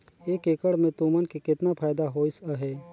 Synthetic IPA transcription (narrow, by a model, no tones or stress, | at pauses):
eːkeːkəɽmẽt̪umənkekɪt̪napʰaːjd̪aɦoːɪsəɦɛː